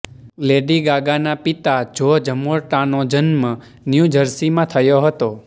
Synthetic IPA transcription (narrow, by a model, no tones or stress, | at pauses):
leɖiɡaɡanapit̪ad͡ʒod͡ʒəmoɾʈanod͡ʒənmə | njud͡ʒəɾsimãt̪ʰəjoɦət̪o